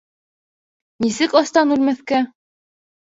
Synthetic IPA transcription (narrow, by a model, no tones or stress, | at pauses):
nisɘkɑst̪ɑnʉlmæθkæ